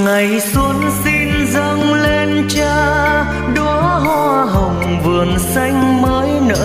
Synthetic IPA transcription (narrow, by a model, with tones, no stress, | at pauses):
ŋa˨˩jsu˨˦nsi˧n | zə˧ŋ͡mle˧nt͡ɕaː˧ | ɗɔ˨˦ɦwaː˧ɦə˨˩wŋ͡m | vɨ˨˩ənsa˧jŋ̟məː˨˦jnə̰ː˧˥